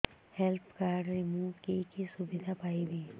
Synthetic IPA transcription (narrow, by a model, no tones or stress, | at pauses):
hɛlpkaːɾɖɾɪmuːʋkekesʊbɪd̪ʱapaːibʱiː